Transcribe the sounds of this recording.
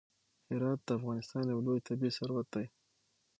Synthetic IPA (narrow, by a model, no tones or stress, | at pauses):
hɪɾɑt̪̚d̪̥əafɣɑnɪst̪ɑnjawlojt̪abisaɾwat̪̚d̪aj